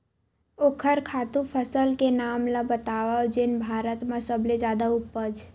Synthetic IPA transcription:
oːkʰəɾkʰaːt̪ũpʰəsəlkenaːmlabət̪aʋad͡ʒɪnbʱaːɾət̪mãsəbled͡ʒaːd̪aʊpːəd͡ʒ

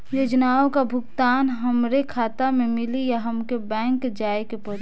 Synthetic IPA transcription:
joːd͡ʒnaːõkabʱʊɡt̪aːnɦəmɾekʰaːt̪amẽmɪlijaɦəmkebɛ̃ːŋkd͡ʒaːekepɔd̪

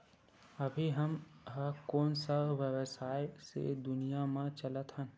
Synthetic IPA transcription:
əbʱiɦəmɦəkɔːnsaʋjəwsaːesḛd̪ʊnijamẽt͡ʃələt̪ɦə̃n

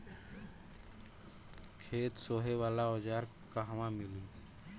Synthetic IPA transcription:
kʰeːt̪soːɦeʋaːlaoːd͡ʒaːɾ | kaɦʋãmɪli

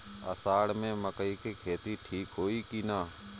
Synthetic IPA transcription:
ə̰saːɽmẽməkəikekʰeːt̪iʈʰiːkɦoːikinaː

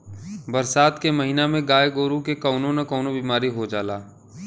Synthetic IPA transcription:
bɐɾsaːt̪kemɐɦinamẽɡaːeɡoːɾũkekɔːnõnɐkɔːnobiːmaːɾiɦod͡ʒaːlaː

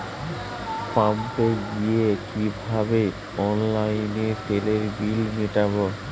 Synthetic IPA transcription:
pampeɡijekibʱabe | ɔnlajneʈeleɾbilmiʈabo

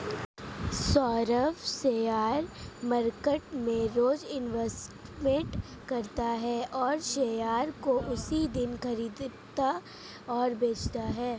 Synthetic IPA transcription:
sɔːɾəfseːjaːɾmɐɾkəʈmẽɾoːd͡ʒɪnʋɛsʈmẽʈ | kɐɾt̪aɦɛʔɔːɾʃeːjaːɾkoʔʊsid̪ɪnkɐɾiːd̪t̪a | ɔːɾbeːt͡ʃʰt̪aɦɛː

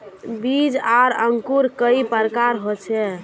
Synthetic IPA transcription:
bid͡ʒaɾəŋkuɾkəipəɾkaɾɦot͡ʃʰɛ

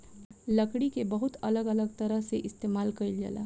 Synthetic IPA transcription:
ləkɽikebəɦʊt̪ɐləɡələɡ̚t̪ɐɾəɦseʔɪst̪eːmaːlkɐild͡ʒa̰la̰ː

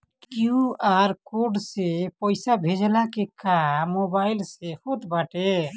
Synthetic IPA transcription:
kjuaɾkoɾɖsepəɪsabʱed͡ʒlakekamobaɪlsehot̪baʈe

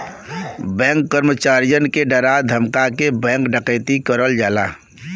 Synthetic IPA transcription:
bɛ̃ːŋkːəɾmət͡ʃaːɾjənkeɖəɾad̪ʱəmkakebɛ̃ːŋkɖəkɛːt̪ikəɾəld͡ʒaːla̰ː

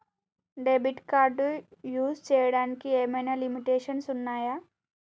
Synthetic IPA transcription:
ɖebiʈkaɾɖujuːst͡ɕeɽankiemenəlimiʈeːʃənsunːaːja

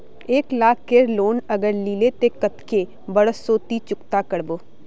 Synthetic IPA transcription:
eːklaːkʰːeɾloːnəɡəɾliːlet̪ekət̪ke | bəɽəsoːt̪it͡ʃʊkt̪akəɽboː

